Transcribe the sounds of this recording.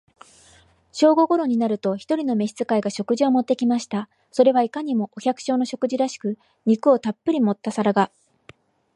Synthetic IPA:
ɕo̞ːɡo̞ɡo̞ɾo̞ɲ̟inaɾɯ̟t̪oçi̥t̪o̞ɾʲino̞me̞ɕi̥t͡sɨ̥kaiɡaɕo̞kɯ̟ʑio̞mo̞t̪ːe̞kʲimaɕi̥t̪a | so̞ɾe̞βaikaɲ̟imo̞ʔoçʲakɯ̟̥ɕo̞ːno̞ɕo̞kɯʑiɾaɕi̥kɯ̟ | ɲ̟ikɯ̟o̞t̪apːɯ̟ɾʲimo̞t̪ːasaɾaɡa

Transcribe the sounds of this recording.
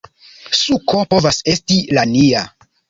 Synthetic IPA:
suko̞po̞vase̞stilania

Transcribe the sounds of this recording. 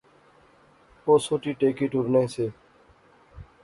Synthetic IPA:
oːsoːʈiːʈeːkiːʈʊɾnẽːseː

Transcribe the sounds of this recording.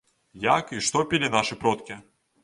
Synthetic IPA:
jakiʂt̪ɔpʲilʲinaʂɨpɾɔt̪kʲi

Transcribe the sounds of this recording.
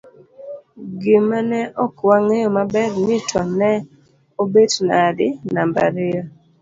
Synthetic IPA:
ɡɪmanɛʔɔkwaŋejɔmabɛrnɪtʰɔnɛ | obednadɪnamba̰ɾɪjɔ

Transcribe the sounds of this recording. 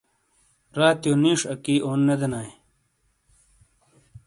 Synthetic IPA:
ɾaːt̪joniːʂɐkiːoːnːed̪enaːj

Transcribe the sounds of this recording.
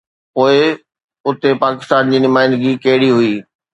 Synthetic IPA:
poːɪ | ʊt̪epaːkɪ̥st̪aːnd͡ʑiːnʊmaːɪnd̪ɡikɐɦɪɽiɦʊiː

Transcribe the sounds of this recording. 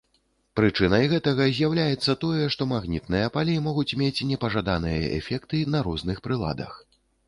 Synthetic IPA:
pɾɨt͡ʂɨnɐjɣɛt̪ɐɣɐzʲjawlʲajɛt̪sːɐt̪ɔjɛʂt̪ɔmaɣnʲit̪nɨjɐpalʲimɔɣut͡sʲmʲet͡sʲnʲɛpɐʐad̪anɨjɐ̰ʔɛ̰fʲɛkt̪ɨnɐɾɔznɨxpɾɨlˠa̰d̪ɐ̰x

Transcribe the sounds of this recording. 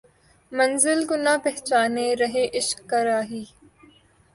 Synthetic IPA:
mɐnzɪlɡʊnaːpɛɦt͡ʃaːneɾɐɦeʔɪʃkːɐɾaːɦiː

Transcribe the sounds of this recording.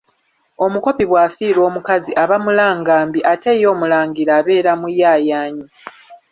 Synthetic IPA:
o̞muko̞piβwaːfiːɾo̞ːmukaziʔaβamulaːŋɡaːmbiʔate̞ːjo̞ːmulaːŋɡiɾaːβe̞ːɾamujaːjaːɲi

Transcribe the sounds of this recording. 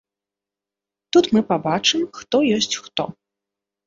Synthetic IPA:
t̪ut̪mɨpabat͡ʂɨmxt̪ɔjɔsʲt͡sʲxt̪ɔ

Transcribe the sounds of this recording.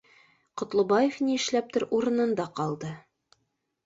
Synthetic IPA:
qŏt̪lˠɤ̆bɑjefniɘ̆ʃlæp̚t̪ɘɾʔuɾɤ̆nɤ̆nd̪ɑqɑlˠd̪ɤ

